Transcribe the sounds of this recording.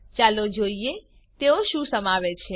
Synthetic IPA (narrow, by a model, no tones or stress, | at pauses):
t͡ʃalod͡ʒoie | t̪eoʃũsəmaʋet͡ʃʰe